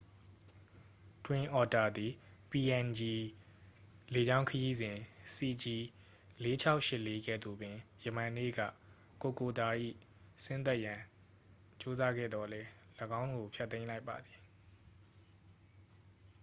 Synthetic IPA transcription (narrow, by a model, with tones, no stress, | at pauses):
twɪ̃˨ʔɔ˨ta˨d̪i˨pi˨ʔɛ̃˨nd͡ʑi˨ | le˨d͡ʑã˦ʊ̃kʰəji˦zɪ̃˨si˨d͡ʑi˨ | le˨˦t͡ɕʰa˦ʊʔʃɪ˦ʔlːe˦ɡɛ̰˦˨d̪ṵ˨bɪ̃˨jə˨mã˨nḛ˦˨ɡä̰˦˨ | ko˨ko˨t̪a˨ʔḭ˦˨ | sɪ̃˦nt̪ɛ˦ʔjã˨ | t͡ɕo˦za˦ɡɛ̰˦˨d̪ðɔ˨lɛ˦ | lə˨ɡã˦ʊ̃ŋɡo˨pʰjɛ˦t̪ːẽ˦ɪ̃la˦ɪpːa˨d̪ði˨